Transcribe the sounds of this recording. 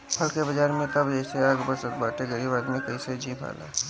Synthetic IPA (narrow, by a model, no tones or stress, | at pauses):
pʰɐlkebɐd͡ʒaːɾmẽt̪ɐbɛːseaːɡbəsət̪baːʈeɡəɽibaːd̪mẽkɐised͡ʒiːbʰʱa̰ːla̰ː